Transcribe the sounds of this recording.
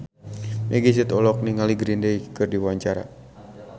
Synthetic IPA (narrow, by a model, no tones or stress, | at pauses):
meɡis̬it̪ɔlɔk̚niŋaliɡɾindejkɨrdiwaɲt͡ʃaɾa̰